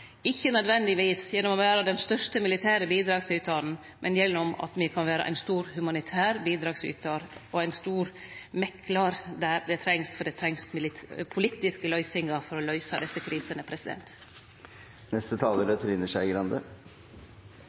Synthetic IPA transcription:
ɪçːənœd̪ʋɛnd̪ɪʋiːsjɛnːɔmɔʋæːɾɑd̪ɛnst̪œʂʈəmɪlɪt̪ʰæːɾəbiːd̪ɾɑːɡsʉːt̪ʰɑnn̩ | mʔɛnjɛlːɔmɑ̰t̪mɪkʰɑnʋæːɾɑ̰ʔæ̰ɪnst̪uːɾhʉmɑnɪt̪ʰæːɾbiːd̪ɾɑːɡsy̰ːt̪ɑɾɔæɪnst̪uːɾmɛkːlɑɾd̪æɾd̪ɛt̪ʰɾɛŋst̪fɔɖ̪ɛt̪ʰɾɛŋst̪mɪlɪpʰʊliːt̪ːɪskəlœʏsɪŋɑfɔɾɔlœʏsɑd̪ɛsəkʰɾiːsənəpʰɾɛsɪd̪ɛ̰nt̪ | nɛst̪ət̪ʰɑːləɾət̪ʰɾɪnːəʂæɪɡɾɑnd̪ə̰

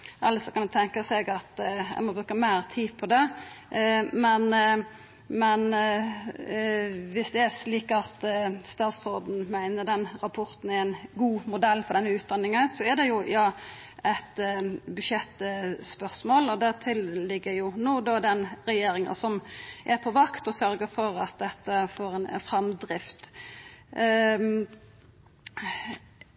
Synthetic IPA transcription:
ʔɑlːəsɔkɑnd̪ʉt̪ʰɛŋkɑsɛɡɑt̪ɛ̰mɔbɾʉːkəmæɪɾt̪ʰiːpʰɔd̪ɛ | mɛn | mɛn | ʋɪsd̪ɛæɾʂliːkɑt̪st̪ɑːt̪sɔd̪n̩mæɪnəɾd̪ɛnɾɑpʰɔɾt̪n̩ɛɾæɪnɡuːmʊd̪ɛlːfɔɾd̪ɛnːəʉːt̪̚d̪ɑnːɪŋənsɔɛɾd̪ɛjʊjɑː | ɛt̪bʉdʃjɛt̪ːspœʁsmoːlɔd̪æʁt̪ʰɪllɪɡːəjʊnoːd̪ɔd̪ɛnɾɛjeːɾɪŋə̰nsɔmʔæɾpʰɔʋɑkt̪ɔsœɾɡəfɔɾɑ̰t̪̚d̪ɛt̪ːəfoːɾɛnɛ̰nfɾɑmd̪ɾɪft̪

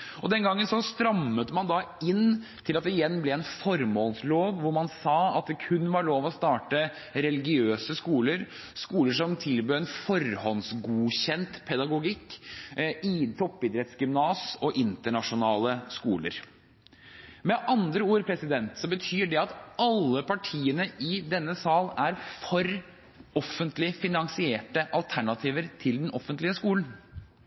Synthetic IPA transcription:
ɔd̪ɛnɡɑŋːənsɔst̪ɾɑmːət̪əmɑnd̪ɑɪnt̪ʰɪlɑt̪̚d̪ɛɪjɛnːblɛɛnfɔɾmoːlsloːʋʋʊɾmɑnsɑːɑt̪̚d̪ɛkʰʉnːʋɑɭoːʋɔst̪ɑːʈə | ɾɛlɪɡɪøːsəskuːləɾ | skuːləʂɔmt̪ʰɪlbøːɾɛnfɔɾhɔnsɡuːɕɛnt̪pʰɛd̪ɑɡʊɡɪkː | ɪt̪ʰɔpːɪd̪ɾɛt̪sɡʏmnɑːsɔʔɪnt̪əɳɑʂʊnɑːləskuːlə̰ɾ | mɛʔɑnd̪ɾəuːɾpʰɾɛsɪd̪ɛnt̪sɔbət̪ʰyːɖɛɑt̪ɑlːəpʰɑʈʰiːənəɪd̪ɛnːəsɑːlæɾfɔɾ | ɔfːənt̪lɪfɪnɑŋsɪeːʈəʔɑlt̪ʰæɳɑt̪ʰiːʋəɾt̪ʰɪld̪ɛnɔfːənt̪lɪəskuːln̩

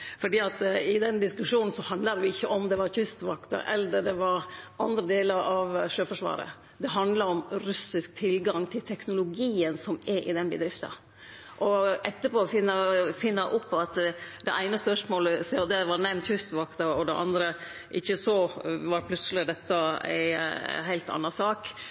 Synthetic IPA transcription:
fɔɖiːɑt̪ɪd̪ɛnd̪ɪskʉʂuːnn̩sɔhɑnd̪lɑd̪ʋɪɪçːəʔɔmd̪ɛʋɑɾçʉst̪ʋɑkt̪ɑ̰ʔɛ̰lːəd̪ɛʋɑɾʔɑnd̪ɾəd̪eːləɾɑʋʂøːfɔʂʋɑ̰ːɾə̰ | d̪ɛɦɑnd̪lɑɾɔmɾʉsɪsk̚t̪ʰɪlɡɑŋt̪ʰɪlt̪ʰɛknʊlʊɡiːənsɔmɛɾʔɪ̰d̪ɛnbəd̪ɾɪft̪ɑ̰ | ʔɔʔɛt̪ːəpoːfɪnːəfɪnːɑʔʊpʰːɑt̪d̪ɛʔæɪnəspœʂmoːləseːod̪eːʋɑɾnɛmnçʉst̪ʋɑkt̪ɑɔd̪ɛʔɑ̰nd̪ɾə | ʔɪçːəsɔʋɑɾpʰlʉt̪səlɪd̪ɛt̪ːɑæ̰ɪɦæɪlt̪ɑ̰nːɑsɑːk

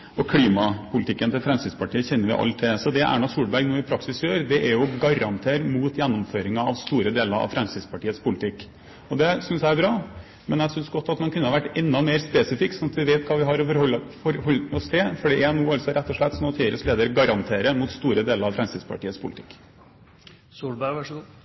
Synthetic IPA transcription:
ɔkʰliːmɑpʰʊlɪt̪ʰɪkːənt̪ɪlfɾɛmst̪ɪd̪spɑʈiːəçɛnːəɾʋɪ̰ʔɑ̰lt̪ʰːɪsɔd̪ɛʔæ̰ɳɑsuːɽbæɾɡnuːɪpʰɾɑksɪsjøːɾd̪ɛʔæɾjʊɡɑɾɑnt̪ʰeːɾmuːt̪jɛnːɔmføːɾɪŋɑɑ̰ʋst̪uːɾəd̪eːləɾɑ̰ʋfɾɛmst̪ɪspɑʈiːət̪spʊlɪt̪ʰɪkː | ɔd̪ɛsʏnsæɪæɾbɾɑː | mɛnjæɡsʏnsɡɔt̪ːɑt̪mɑnkʰʉnːəhɑʋæʈːɛnːɑmeːɾspeːsɪfɪkːsɔnɑt̪ʋɪʋeːt̪kʰɑːʋɪɦɑɾɔfɔɾɔlːfɔɾhɔlːɔst̪ʰɛfɔɖɛænuːɑlsɔɾʔɛt̪ːɔʂɭɛt̪ːsɔnɔt̪ʰiːɪɾəsleːd̪əɾɡɑɾɑnt̪ʰeːɾəmut̪st̪uːɾəd̪eːləɾɑʋfɾɛmst̪ɪd̪spʰɑ̰ʈiːəspʰʊlɪt̪ʰɪ̥kː | suːbæ

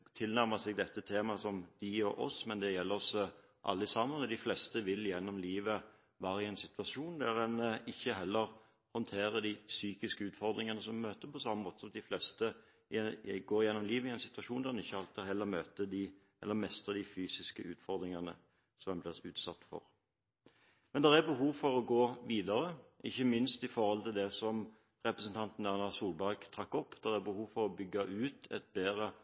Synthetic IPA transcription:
t̪ʰɪlnæɾməsɛɡ̚d̪ɛt̪ːət̪ʰeːmɑsɔmd̪ɪɔʔɔsmɛnd̪ɛjɛlːəɾɔs | ʔɑ̰lːəɪsɑmənɔd̪ɪflɛst̪əʋɪljɛnːɔmliːʋə | ʋɑːɾəɪɛɪnsɪt̪ʉɑʂuːnd̪æɾɛnɪçːəɦɛlːəɾ | hɔnt̪ʰeːɾəd̪ɪsyːkɪskəʉːt̪fɔʁd̪ɾɪŋɑnəsɔmmøːt̪əpʰɔsɑmːəmoːt̪əsɔmd̪ɪflɛst̪ə | ɪɡoːɾjɛnːɔmliːʋəɪɛnsɪ̥t̪ʋɑʂuːnd̪æʁɛnɪçːəhɑlt̪ɪhɛlːəmøːt̪əd̪ɪ | ʔɛ̰lːəmɛst̪əd̪ɪfyːsɪskəʔʉːt̪fɔʁd̪ɾɪŋɑnə̰ | sɔmɛnblɛsʉːt̪sɑt̪ːfɔ̰ʁ | mɛnd̪ɛʁæɾbəɦuːʋfɔɾɔɡoːʋiːd̪ɑɾəʔɪ̰çːəmɪnst̪ɪfɔɾhɔlt̪ɪld̪ɛsɔm | ʁɛpɾəsənt̪ʰɑnt̪n̩ænɑsuːlbæɾɡt̪ʰʁɑkːɔpːd̪̥æʁæbəhuːʋfɔɾɔbʏɡːɑʔʉːt̪ɛ̰t̪̚beːɾə

